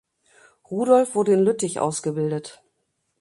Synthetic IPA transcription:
ʁuːdɔlfv̥ʊɐdəɪnlʏtɪçʔa̰ʊsɡ̥əbɪldət

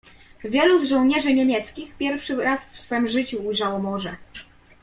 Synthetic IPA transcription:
vʲjɛluzʐɔ̃wɲɛʐɘɲemʲjɛt̪skʲixpʲjɛɾfʂɘɾasfsfɛmʐɘt͡ɕuːjʐawɔmɔʐɛ

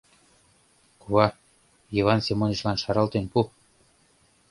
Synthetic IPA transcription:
kuɑ | jiβɑnsemoniʃlɑnʃɑɾɑlt̪enpu

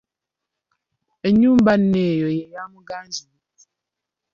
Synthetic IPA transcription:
eɲumbanejɔjɛjamuɡanzi

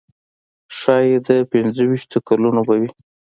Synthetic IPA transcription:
ʃɑjed̪əpɪnzəwiʃt̪okalunobawi

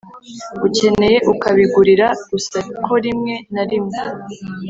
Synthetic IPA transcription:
uce̞ne̞je̞ʔukaβiɡuɾiɾaɡ̥usakʰo̞ɾimŋe̞naɾimŋe

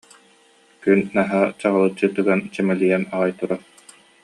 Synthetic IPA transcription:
kynːaɦat͡ɕaʁalˠɯt͡ɕːɯt̪ɯɡant͡ɕɛmɛlijanaʁajt̪uɾaɾ

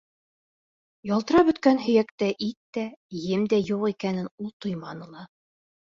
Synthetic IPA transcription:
jɑlˠt̪ɤ̆ɾɑbɵ̆t̪kænɦɵ̆jækt̪æʔit̪ːæjɘmd̪æjuqikænɘnulˠt̪ojmɑnɤ̆lˠɑ

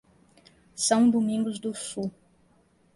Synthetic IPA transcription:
sɐ̃w̃d̪umĩŋɡʊzd̪ʊsu

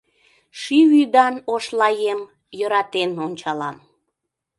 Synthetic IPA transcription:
ʃivyd̪ɑnoʃlɑjem | jəɾɑt̪enonʲt͡ɕɑlɑm

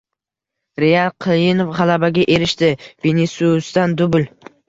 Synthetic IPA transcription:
ɾejalˠqʰɨljɪnofʁalabaɡʲaʔe̞ɾɪʃt̪ɪvenesust̪and̪ʊbʊl

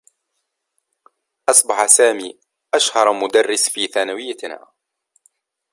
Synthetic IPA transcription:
ʔɑsˤbɑħasaːmiː | ʔaʃhɑɾˤmʊd̪arːɪsfiːθaːnawɪjːana̰ː

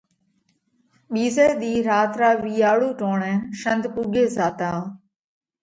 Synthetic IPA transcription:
ɓiːzeːɗ̪iːɾaːt̪ɾaːʋiːaːɽuːʈoːɳɛːnʃənd̪puːɡeːzaːt̪aː

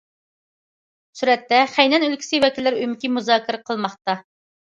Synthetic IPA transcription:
suɾɛt̪ːɛχæjnɛnylkʲʰi̥sɪwɛkʲilːɪɾymkʲimuzɑːkʲʰɪɾɛqʰəlˠmɑχt̪ɑ

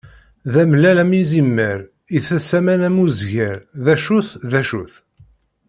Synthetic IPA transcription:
ðæmlælæminzimːəɾ | iθæsæmænæmuzʝæɾðæʃuθðæʃṵθ

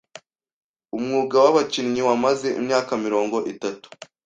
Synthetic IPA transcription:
umŋuːɡawaβacinɲiwamaze̞ʔḭmɲaːkamiɾo̞ːŋɡo̞ʔitatu̥

